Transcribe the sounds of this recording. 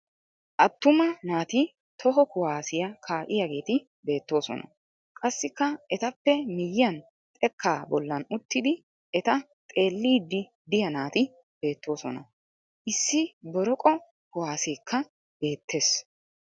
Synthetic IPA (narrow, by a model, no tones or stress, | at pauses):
ʔɐt̪ːʊmɐnaːt̪ɪ | t̪ɔɦɔkʊwaːsɪjɐkʰaːʔɪjɐɡe̞ːt̪ɪ | be̞ːt̪ːo̞ːsɔ̰nɐ̰ | kʼɐsːɪkːɐɛt̪ɐpːɛmɪjjɐn | t̪ʼɛkʰːaːbɔlːɐnʊt̪ːɪd̪ɪ | ɛt̪ɐ | t̪ʼe̞ːlːiːd̪ːɪ | d̪ɪjɐnaːt̪ɪ | b̥e̞ːt̪ːo̞ːsɔnɐ | ʔɪsːɪbɔɾɔkʼɔ | kʊwaːseːkʰːɐ | b̥e̞ːt̪ːe̞ːs